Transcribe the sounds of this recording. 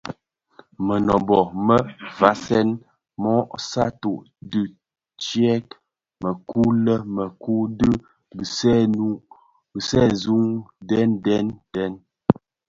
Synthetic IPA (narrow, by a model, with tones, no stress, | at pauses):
mə˨nɔ˨bɔ˨mə˦va˨˦sɛ˦n | mɔ˦ʔsa˦tu˨ʔ | dʉ˦˨ | t͡ʃɛ˦k | mə˨ku˦lə˦mə˨ku˦də˦ | ɡə˨sɛ˦˨nu˦ʔ | ɡə˨sɛ˦˨zu˦ŋdɛ˦ndɛ˦ntɛ˦n